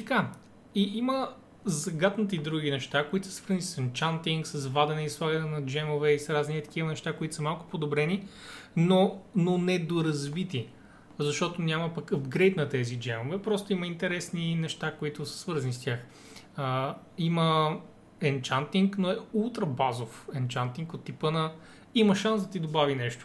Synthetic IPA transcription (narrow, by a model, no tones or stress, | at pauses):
t̪ɐka | iʔimə | zɐɡat̪nət̪əid̪ɾuɡinɛʃt̪akoit̪ʊsə̥svɤɾznisɛnt͡ʃant̪iŋksɐzvad̪ɛnɛislˠaɡɐnɛnɐd͡ʒɛmovɛisɾaznit̪ɐ̥kʲivɐnɛʃt̪akoit̪ʊ̥səmalˠkʊ̥pod̪obɾɛninononɛd̪oɾɐzvit̪i | zɐʃt̪ɔt̪onʲamɐpɐkəfɡɾɛjt̪nɐt̪ɛzid͡ʒɛmovɛpɾɔst̪ʊiməint̪ɛɾɛsninɛʃt̪akoit̪ʊsɐ̥svɤɾzɐnist̪ʲjax | əimə | ɛnt͡ʃant̪iŋknoɛulˠt̪ɾɐbazofɛnt͡ʃant̪iŋkot̪ːipənɐ | imɐʃansd̪ɐt̪id̪obavinɛʃt̪ʊ̥